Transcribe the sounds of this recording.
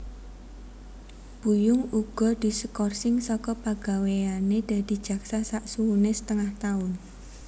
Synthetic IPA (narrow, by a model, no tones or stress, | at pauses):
b̥ujʊŋuɡ̥ɔ̤d̪̥i̤səkɔrsɪŋsɔkɔpaɡ̥aweaned̪̥a̤d̪̥i̤̥d͡ʒ̥a̤ksasaʔsuwunesə̥t̪əŋaht̪aʊn